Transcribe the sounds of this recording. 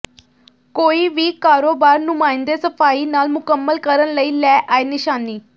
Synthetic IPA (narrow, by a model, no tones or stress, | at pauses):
koːiːʋiːkaːɾoːbaːɾnʊmãːɪnd̪eːsəpʰaːiːnaːlmʊkəmːəlkəɾənləiːlɛːʔaːeːnɪʃaːniː